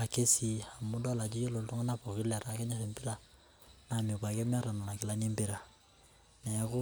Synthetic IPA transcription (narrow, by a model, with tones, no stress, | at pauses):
a˨ke˦si˨a˨mu˦dɔ˦la˨d͡ʒi˦jo˦lo˨˦tɔ˦ŋa˦na˦pɔ˨ki˦lɛ˨ɾaː˨kɛ˦ɲa˦se˨mpi˦ɾa˦ | na˨mĩ˨ka˨kɛ˦m˦ɛ˦ɾa˨na˨na˨kɛ˦la˦nĩ˦mbi˦˨ɾa˨ | na˨ja˨ko˦